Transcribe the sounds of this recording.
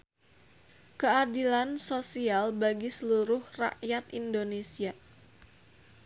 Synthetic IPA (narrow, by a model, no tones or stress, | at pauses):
kəadilansosialbaɡisəluɾʊhra̰ʔjat̪indonesia